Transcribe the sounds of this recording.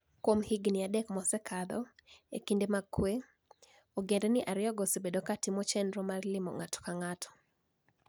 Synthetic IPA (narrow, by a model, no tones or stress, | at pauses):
kwomhiɡniadɛkmɔsɛkʰad̪ɔḛkindemakwe | oɡendɛnɪʔaɾɪɔɡosibedokatimɔt͡ʃɛndɾɔmarlɪmɔ̰ŋatʰɔ̥kaŋatʰɔ̥